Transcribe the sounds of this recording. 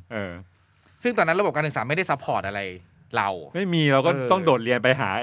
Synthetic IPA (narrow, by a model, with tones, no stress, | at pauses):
ʔɤː˧ | sɯ˥˩ŋt̪ɔː˧nːa˦˥ɾa˧bo˨˩p̚ka˧nʰɯ˨˩saː˩˦ma˥˩jda˥˩jsa˦˥pʰɔː˨˩t̪̚ʔa˧ɾa˧j | ɾa̰˧wma˥˩jmiː˧ɾa˧wkɔː˥˩t̪ɔ˥˩ŋdoː˨˩t̪̚ɾi˧ənpa˧jɦaː˩˦